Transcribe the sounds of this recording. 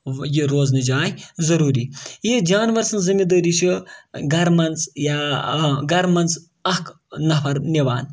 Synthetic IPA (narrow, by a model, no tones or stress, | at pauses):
jiɾoːznid͡ʒaːjzɐɾuːɾiːjid͡ʒaːnʋɐɾsɐnzɐmid̪ɐːɾiʃiɡɐɾmɐnt͡sjaːɡɐɾmɐnt͡s | ɐk | nɐpʰɐɾniʋaːn